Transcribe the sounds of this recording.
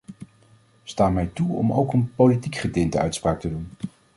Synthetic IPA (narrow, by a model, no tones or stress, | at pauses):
staːmɛjtuɔ̰mo̰wkənpolitikχədɪndəœ̰ɥtspraːk̚tədun